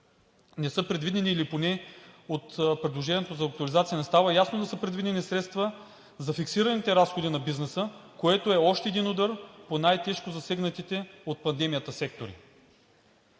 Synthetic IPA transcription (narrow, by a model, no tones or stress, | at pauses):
nɛsɤpɾɛd̪vid̪ɛniːliponɛot̪pɾɛd̪lˠoʒɛniɛt̪ozɐɐk̚t̪uɐlizat̪sijənɛst̪avəjasnod̪ɐsɤpɾɛd̪vid̪ɛnisɾɛt̪st̪və | zɐfiksiɾənit̪ɛɾasxod̪inɐbiznɛsəkoɛt̪oɛɔʃt̪ɛːd̪inod̪əɾponajt̪ɛʃkozɐsɛɡnɐt̪it̪ɛot̪̚pɐnd̪ɛmijət̪əsɛk̚t̪oɾḭ